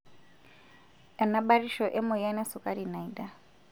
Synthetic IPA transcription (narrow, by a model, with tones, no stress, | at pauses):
ɛ˨na˦ɓa˦ɾi˦ʃɔ˨ʔɛ˦mʊ˨ja˦nɛ˦sʊ˨kʼa˦ɾi˨na˨i˨da˦